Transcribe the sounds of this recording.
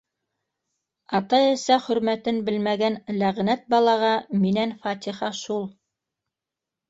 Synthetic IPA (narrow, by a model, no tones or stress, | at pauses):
ɑt̪ɑɘsæχɵ̆ɾmæt̪ɘnbɘlmæɡænlæʁnæt̪̚bɑlˠɑʁɑminænfɑt̪ʲiχɑʃulˠ